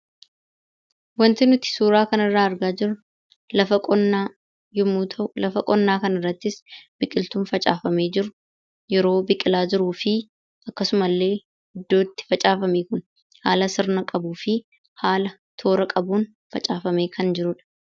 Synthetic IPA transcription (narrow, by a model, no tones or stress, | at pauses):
wɐnt̪ɪnʊt̪ːɪ̥suːɾaːkɐnɐrːaːɐɾɡaːd͡ʒɪɾʊ | lɐfɐkʼɔnːaː | jʊmuːt̪ʰɐlɐfɐkʼɔnːaːkɐnɪrːɐt̪ːɪsbɪkʼɪlt̪uːnfɐt͡ʃʼaːfɐmeːd͡ʒɪɾʊ | jɛɾo̞ːbɪkʼɪlaːd͡ʒɪɾuːfɪ | ɐkːɐsʊmɐlːe̞ː | hɪd̪ːo̞ːt̪ːɪ̥fɐt͡ʃʼaːfɐmeːkʊn | haːlɐsɪɾnɐkʼɐbuːfɪ | haːlɐ | t̪ʰo̞ːɾɐkʼɐbuːn | fɐt͡ʃʼaːfɐme̞ːkʰɐnd͡ʒɪɾʊᶑɐ̥